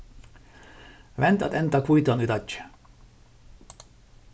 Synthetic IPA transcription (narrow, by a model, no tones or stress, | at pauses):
ʋɛnt̪ɒ̰t̪ɛnt̪ɑkujt̪onyt̪ɑcː